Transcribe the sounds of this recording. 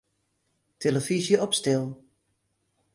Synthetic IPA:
tʰeləfizjəɔpstɪlˠ

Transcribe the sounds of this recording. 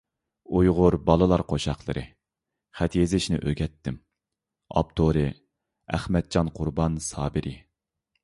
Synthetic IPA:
ujʁʊɾbɑlˠɨlˠɑɾqʰoʃɑχlˠɨ̰ɾʔɨ̰ | χɛt̪jezɪʃnɪ̰ʔøɡʲɛt̪ʰːɪm | ɑ̰p̚t̪ʰoɾɨ | æ̰χmɛt̪̚d͡ʒɑnqʰʊɾbɑnsɑːbɪɾʔɪ

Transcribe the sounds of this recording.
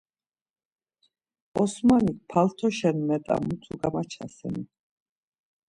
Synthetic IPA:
ɔsmanik̚pʰalt̪ʰɔʃɛnmɛt̪ʼa̰mut̪ʰuɡamat͡ʃʰa̰sɛ̰ni

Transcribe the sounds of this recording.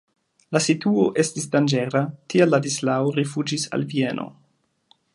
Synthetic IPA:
lasituoʔe̞stisdand͡ʒeɾatialːadislaoɾifud͡ʒisa̰lvienʔo̰

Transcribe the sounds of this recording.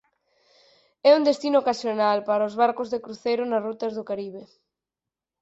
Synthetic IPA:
ɛund̪est̪inʊokasjonalpaɾaozβaɾkʊzðekɾuθejɾʊnasrut̪ɐzðʊkaɾiβe

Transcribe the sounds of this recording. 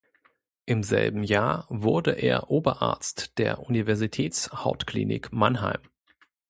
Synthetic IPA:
ʔɪmzɛ̰lbm̩jaːɐvʊɐdəʔeːɐʔoːbɐʔa̰ɐt͡std̥eːɐʔunivɛɐzitʰɛːt͡shaʊtklḭːnɪ̰kmanɦa̰ɪm

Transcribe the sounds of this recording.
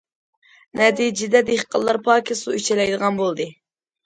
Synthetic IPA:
nɛt̪ʰid͡ʒɪd̪ɛd̪eχqʰəlˠːɑɾpʰɑːkʲʰisuyt͡ʃʰɛlɛjd̪əʁɑnbolˠd̪ɨ

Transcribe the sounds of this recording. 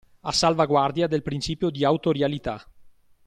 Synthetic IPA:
asːalvaɡward̪jad̪elpɾint͡ʃiːpjod̪iawt̪oɾjalit̪a

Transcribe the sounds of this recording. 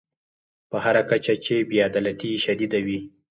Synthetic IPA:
pəhaɾakat͡ʃat͡ʃebjɑd̪alat̪iʃad̪id̪awi

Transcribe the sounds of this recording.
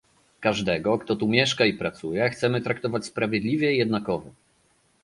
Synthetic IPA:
kaʐd̪ɛɡɔkt̪ɔt̪umʲjɛʂkaipɾat̪sujɛxt̪sɛmɘt̪ɾakt̪ɔvat͡ɕspɾavʲjɛd̪lʲivʲjɛijɛd̪nakɔvɔ

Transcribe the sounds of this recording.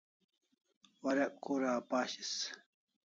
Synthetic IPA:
wɐɾɐʔkuːɾaːpaːɕis

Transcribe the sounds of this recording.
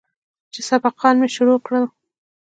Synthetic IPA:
t͡ʃesabɑqɑnmeʃʊɾokɽəl

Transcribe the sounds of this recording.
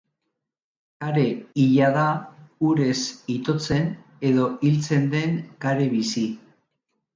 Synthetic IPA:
aɾe̞iʎaðauɾe̞sit̪o̞t͡se̞n | e̞ðo̞ilt͡se̞nd̪e̞ŋkaɾe̞βisi

